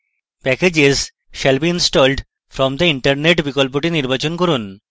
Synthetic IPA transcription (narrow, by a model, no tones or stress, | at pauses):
pɛked͡ʑez | ʃɛlbiinsʈɔlɖ | fɾɔmd̪əiɳʈɐɾneʈbikolp̬oʈiniɾbat͡ɕonkɔɾun